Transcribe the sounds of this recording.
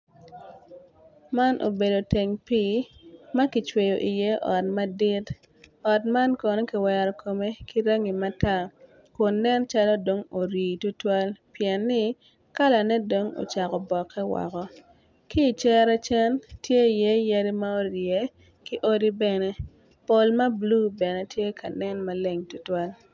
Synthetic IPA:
ma˦nʔo̰˨be˨do˨te˨ŋpi˦ma˦ki˨t͡ʃwe˨jo˨ʔi˨je˦ʔɔ̰˨tma˦di˦t | ɔ˨tma˦nkɔ˨no˦ki˨wɛ˨ɾɔ˨kʰo˨me˦ki˦ɾa˦ŋi˨ma˦ta˦˨ | kʊ˨nːɛ˦nt͡ʃa˦lɔ˦do˨ŋo˨ɾiː˨tu˦twa˦lpjɛ˨nːɪ˦ | ka˦la˨nɛ˦do˨ŋo̰˨t͡ʃa˨kɔ˨bɔ˨kʰːɛ˦wɔ̰˨kɔ˦ | ki˦˨t͡ʃɛ˦ɾa˦t͡ʃɛ˦ntje˦i˨je˦ja˦ɾi˦ma˦o˦ɾje˦ | ki˦ʔo˦di˦bɛ˨ne˦ | po˨lma˦blu˦bɛ˨ne˨tje˦ka˨nɛ˦nma˦le˦ŋtu˦twa˦l

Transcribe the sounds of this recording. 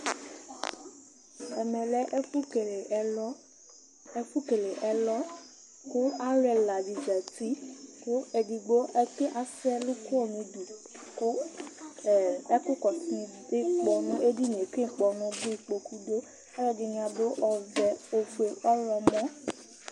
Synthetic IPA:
ɛ˨mɛ̃˨lɛ˨˦ʔfu˦ke˨le˨˦ | fu˦ke˨le˨ʔɛ˨lɔ˦ | ku˦a˦ɾɛ˨la˨d͡ʒi˨d͡ʒa˨ti˦kʊ˦e˨di˨ɡ͡bo˦ʔɛ˦ke˦ʔa˨sɛ˦lu˦ku˦ɔ˦˨nũ˨˦du˨k | ɛ˦kʊ˦kɔ˨ti˨˦nĩ˨de˦˨k͡pɔ˨nũ˦e˦di˦ñ˨e˨kĩ˦˨k͡pɔ˨nũ˦bi˦˨k͡po˨ku˦do˦ | ɛ˦ɾɔ˦di˨ɲĩ˨a˨be˦ʔɔ˨vɛ˨o˨fu˨e˨ʔɔ˦ɾɔ˧mɔ̃˦

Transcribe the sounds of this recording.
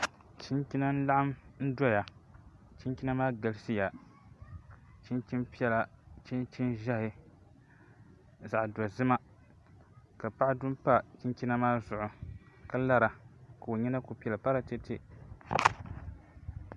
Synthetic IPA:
t͡ʃi˦nkʲi˦na˦n̩˦la˦ʔa˦mn̩˦dɔ˦ja˨ | t͡ʃi˦kʲi˦na˦maː˦ɡa˨lsi˦ja˨ | t͡ʃi˦nt͡ʃi˦npi˦ɛ˦la˨t͡ʃi˦nt͡ʃi˦nʒa˦hɪ˨ | za˨ʔdɔ˨zɨ˦ma˦ | ka˨pa˦ʔa˦dʊ˦m˦pa˦t͡ʃi˦nki˦na˦maː˦zʊ˨ʔʊ˨ | ka˦la˦ɾa˨ka˨o˨ɲɛ˦na˦ko˨pi˦ɛ˨la˨pa˦ɾa˨te˦tɪ˨

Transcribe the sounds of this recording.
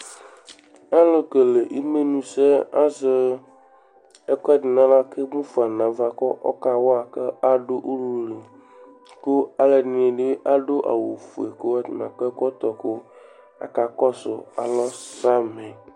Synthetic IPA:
a˦lo˦ke˨le˨ʔi˦me˦nũ˦se˦a˦ze˦ | e˦kɔ˦a˦dɪ˨nã˦la˦ke˦mũ˦fu˨a˨nã˨va˨kɔ˦ʔɔ̰˦ka˨wo˦a˨ke˦a˦ɖo˦ʔu˦lu˦le˨ | ko˦a˦le˨nĩ˨˦e˨ɖe˦ʔa˦ɖo˦ʔa̰˨wo˨fu˨e˨ko˦wa˦t̪nã̰˨ke˦kɔ˦t̪ɔ˨ko˦ | a̰˨ka˨kɔ˦so̰˨a̰˨lɔ˦sɾa˦me˨

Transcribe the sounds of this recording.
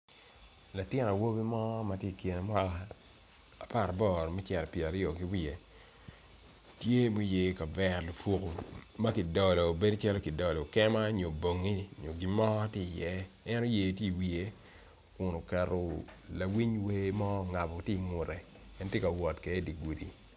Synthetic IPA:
la˨tjɪ˦na˨wo˦bi˦mɔ˦ma˨tje˦i˨kje˨ne˨mʷ˦a˦la˦ | a˨pa˦˨ɾa˨bɔ˦˨ɾmɛ˦t͡ʃɛ˨ɾɛ˨pjɛ˨a˨ɾjo˨ki˨wi˦e˨ | tje˦mo˦je˨ka˨vɛ˦˨rlo˨po˦ko˨ma˦ki˨dɔ˨lɔ˨be˦dt͡ʃa˦lo˦ki˨dɔ˨lɔ˨kɛ˦ma˦ɲo˨bo˨ŋi˦ɲo˨ɡi˨mɔ˦ti˦˨jɛ˦ | ɛ˦nɔ˦je˨tje˦˨i˨wi˨e˦ | kʊ˨no˨kɛ˨ro˨la˨wi˦ɲwe˦mɔ˦˨ŋa˨bɔ˨tje˦i˨ŋʊ˨ɾɛ˨ | ɛ˦ntje˦ka˨wɔ˨tkɛ˨˦di˨ɡu˨dḭ˨

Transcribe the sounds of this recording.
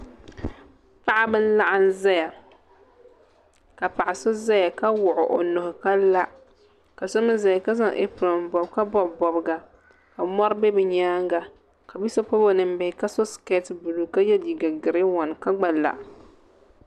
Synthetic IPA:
pa˦ʔa˦bɨ˦n̩˦la˦ʔa˦n˦za˦ja˨ | ka˨pa˨ʔa˨so˦za˦ja˨ka˦wʊ˨ʔʊ˨ʔo˨nʊ˨hʊ˨ka˦la˦ʔ | ka˨so˦mɨ˦za˨ja˨ka˦za˦ʔḛ˦pɾɔ˨mbɔ˨bka˦bɔ˦bbɔ˨bɡa˨ | ka˨mɔ˦ɾbe˦bɛ˨ɲaː˦ŋɡa˨ | ka˨bi˦sa˦po˦bo˦nɨ˨m̩˦bɪ˨hɪ˨ka˦so˦ske˦tbu˨lu˨ka˦jɛ˦di˨ɡa˨ɡɪ˨ɾɪ˦wɔ˨n˨ka˦ɡ͡ba˨la̰˨ʔ

